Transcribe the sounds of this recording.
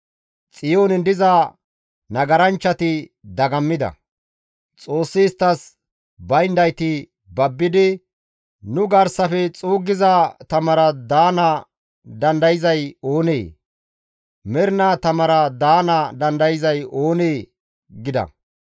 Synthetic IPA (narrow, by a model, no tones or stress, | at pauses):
t͡sʼɪjoːnɪnd̪ɪzɐ | nɐɡɐɾɐnt͡ʃːɐt̪ɪd̪ɐɡɐmːɪd̪ɐ̰ | t͡sʼo̞ːsːɪːst̪ːɐs | bɐjnd̪ɐjt̪ɪ | bɐbːɪd̪ɪ | nʊɡɐɾsɐfɛt͡sʼuːɡɪzɐt̪ɐmɐɾɐd̪aːnɐ | d̪ɐnd̪ɐjɪzɐjo̞ːneː | mɛɾɪnat̪ɐmɐɾɐd̪aːnɐd̪ɐnd̪ɐjɪzɐjo̞ːneː | ɡɪd̪ɐ̰